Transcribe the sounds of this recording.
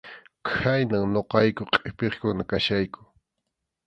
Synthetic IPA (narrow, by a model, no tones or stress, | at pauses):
kʰajnaŋnoqɑjkʊqʼepeχkʊnakaʃajkʊ̥